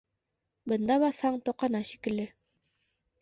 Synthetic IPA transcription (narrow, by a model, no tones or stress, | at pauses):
bɤ̆nd̪ɑβɑθhɑɴt̪oqɑnɑɕikɘ̆lːɘ